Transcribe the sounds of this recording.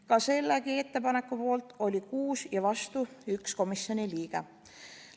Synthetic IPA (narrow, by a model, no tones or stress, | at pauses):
kɑse̞lːeɡie̞t̪ːe̞pɑne̞kːupo̞ːlt̪ˑo̞lʲikuːsjɑvɑst̪uyksko̞misjo̞niliːɡ̥e